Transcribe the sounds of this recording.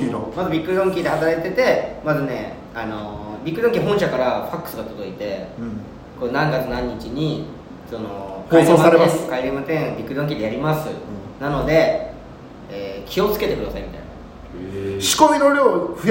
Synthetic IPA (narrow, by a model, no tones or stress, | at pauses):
iomazɨbʲikːɯ̟d̪õ̞ŋkʲid̪e̞hat̪aɾait̪e̞t̪e̞mazɨne̞ | ano̞bʲikːɯd̪oŋkʲiɦõɰ̃ɕakaɾaɸakːɯ̥sɨɡat̪o̞d̪o̞it̪e̞ | konãŋɡat͡sɨnãɲ̟ːit͡ɕiɲ̟i | so̞no̞hkoiɾẽasaɾẽkaiɾemat̪ẽŋbʲikːɯ̟d̪õŋkʲid̪e̞jaɾʲimasɨnano̞d̪e̞ | eːkʲʰio̞t͡sɨ̥ke̞t̪e̞kɯd̪asaimʲit̪a̰jna̰ | ɕi̥komʲinoɾʲoːɸ